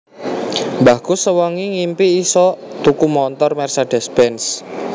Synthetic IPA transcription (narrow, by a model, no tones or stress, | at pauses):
mbakusəwɔŋiŋimpiːsɔt̪ukumɔnt̪ɔrmɛrsaɖ̥ɛ̤sbɛns